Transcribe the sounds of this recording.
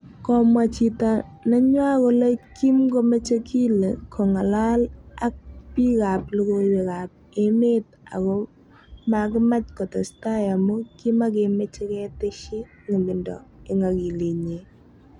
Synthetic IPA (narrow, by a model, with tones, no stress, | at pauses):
kɔ˨mwa˨t͡ʃi˨ta˨na˦ɲwa˦ko˦le˦ki˦mko˦me˦t͡ʃe˦kʰi˦le˨kʰɔ˨ŋa˨la˦la˦k̚pi˦ka˨p̚lu˦ko˦we˨ka˨p̚ | e˦me˦t̚ | a̰˨kɔ˦ | ma˨kɪ˦ma˦t͡ʃkɔ˨tɔ˨sta˦ja˨mʊ˦ki˦ma˦k̬e˨me˦t͡ʃe˦kɛ˦tɪ˦ʃi˦ | ŋi˨mɪ˨ndɔ̰˨ɪ˨ŋa˨ki˨le˨ɲe˨